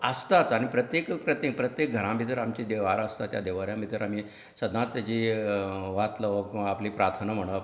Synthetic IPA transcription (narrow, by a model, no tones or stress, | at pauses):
əst̪at͡sañipɾət̪jekpɾət̪ipɾət̪jek̚ɡʱəɾãmit̪əɾamt͡ɕid̪eʋaɾəst̪at̪ja̰d̪eʋaɾjãmit̪əɾam̤iː | səd̪ʱnãt͡st̪at͡ɕiːʋat̪ləʋəapliːpɾaɾt̪ʰənam̤əɽ̃ə